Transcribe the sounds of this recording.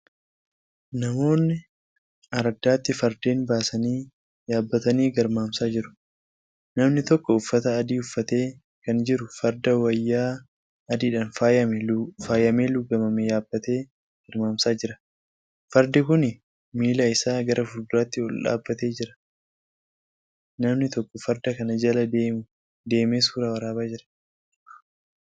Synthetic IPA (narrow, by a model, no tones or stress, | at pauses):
nɐmo̞ːnːɪ | ɐɾɐd̪ːaːt̪ːɪfɐɾd̪eːnbaːsɐniː | jaːbːɐt̪ɐniːɡɐɾmaːmsaːd͡ʒɪɾʊ̥ | nɐmnɪt̪ɔkːɔʊfːɐt̪ɐːd̪iːʊfːɐt̪e̞ː | kɐnd͡ʒɪɾʊfɐɾd̪ɐwɐjːaː | ɐd̪iːᶑaːnfaːjɐmɛfaːjɐmeːlʊɡɐmɐmejaːb̥ːɐt̪e̞ː | hɪɾmaːmsaːd͡ʒɪɾɐ | fɐɾd̪ɪkʊnɪ | miːlaːɪsaːɡɐɾʔɐfʊld̪ʊɾaːt̪ːɪɔlᶑa̰ːbːɐt̪e̞ːd͡ʒɪɾɐ̥ | nɐmnɪt̪ɔkːɔfɐɾd̪ɐkɐnɐd͡ʒɐlɐd̪e | d̪e̞ːmeːsuːɾɐwɐɾaːbaːd͡ʒɪɾɐ̥